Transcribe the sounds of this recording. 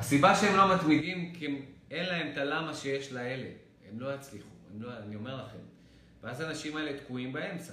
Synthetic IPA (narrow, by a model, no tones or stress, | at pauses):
hasibaʃeemlo̞mat̪mid̪imke̞nlae̞mt̪alamaʃeje̞ʃlae̞le̞̰ | ḛmlo̞jat͡sliχuḛmloanio̞me̞ʁlaχe̞̰m | veazanaʃimae̞le̞t̪kuimbae̞mt͡sa